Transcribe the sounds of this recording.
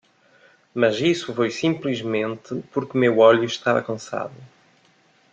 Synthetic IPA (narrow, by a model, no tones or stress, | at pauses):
mɐzisufojsĩmplˠɨʒmẽnt̪ɨpuɾkmewɔʎuʃt̪aɾɐ̰kɐ̃sa̰ðu